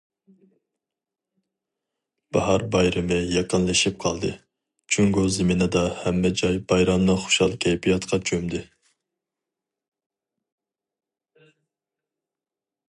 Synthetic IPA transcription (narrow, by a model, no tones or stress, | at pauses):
b̥ɑ̰ɦɑɾbɑjɾɨmɪjɑqənlˠɨʃip̚qʰɑlˠd̪ɨ | t͡ʃʰyŋɡuzɪminɨd̪ɑhɛmːɛd͡ʒɑjbɑjɾɑmnɨχo̥ʃɑlˠkʲʰɛjpʰijɑt̪qʰɑt͡ʃʰømd̪ɪ